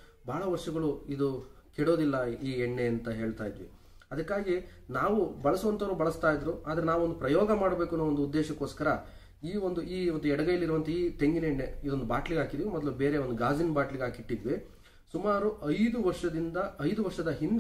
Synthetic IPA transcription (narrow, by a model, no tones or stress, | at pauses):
baːɭɐʋɐɾʂɐɡɐɭuid̪ukɛɽo̞ːd̪ilːɐiːɛɳːeɐnt̪ɐɦe̞ːɭt̪aːjd̪ʋḭ | ɐd̪ɐkːaːɡi | naːʋubɐɭɐsuʋɐnt̪ɐɐɾuːbɐɭɐst̪aːjid̪ːɾuʔaːd̪ɐɾenaːʋuond̪upɾɐjɔːɡɐmaːɽbeːkunːʋond̪ud̪ːɛːʃɐko̞ːskɐɾɐ | iːond̪uiːond̪uɛɽɐɡɐjɐlːiɾuʋɐnt̪ɐiːt̪e̞ŋɡineɛɳːeid̪o̞nd̪ubaːʈliɡɦaːkid̪ʋimɔd̪lubeːɾeo̞nd̪uɡaːzinbaːʈliɡaːkiʈːid̪ʋi | sumaːɾuʔɐjd̪uʋɐɾʂɐd̪ind̪ɐɐjd̪uʋɐɾʂɐd̪ɐɦind̪